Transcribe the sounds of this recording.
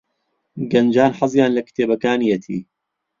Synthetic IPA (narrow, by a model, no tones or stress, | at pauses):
ɡɐnd͡ʒaːnħɑzˤjaːnlɐkɪ̥t̪ʰeːbɐkaːnijɐt̪ʰḭː